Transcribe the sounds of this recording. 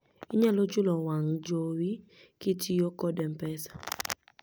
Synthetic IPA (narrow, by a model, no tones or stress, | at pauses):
ɪɲɛlod͡ʒʊlɔwaŋd͡ʒowi | kɪtijokɔdɛmpɛsḁ